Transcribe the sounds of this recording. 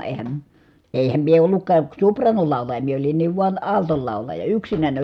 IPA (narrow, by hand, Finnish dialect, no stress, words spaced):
eːhæm eˑi̯hæm mie olːukˑɑː su̞prˑɑːnolɑˑulɑ̆jɑ mie olinːiːʋ ʋuɑn ɑˑltol lɑˑulɑjɑ yksinænʲ